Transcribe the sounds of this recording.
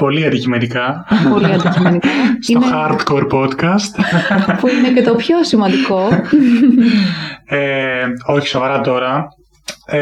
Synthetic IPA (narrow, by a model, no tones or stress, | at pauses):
po̞liɐnd̪icimenikɐ | po̞liɐnd̪icimenikɐsionexɐɾt̪koɾpo̞t̪kɐst̪puinecet̪opço̞simɐnd̪iko | eo̞çi̥so̞vɐɾɐt̪o̞ɾɐ